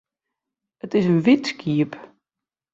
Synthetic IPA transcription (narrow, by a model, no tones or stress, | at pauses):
ətɪsənʋitskʰiəp